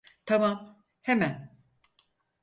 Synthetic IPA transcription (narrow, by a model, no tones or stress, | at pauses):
t̪ʰamam | hemæn